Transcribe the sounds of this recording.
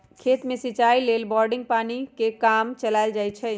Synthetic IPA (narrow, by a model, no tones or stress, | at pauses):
kʰet̪mẽsit͡ʃailelbɔɾɖĩŋɡ̚panikekamt͡ʃəlaɪld͡ʒajt͡ʃʰɛ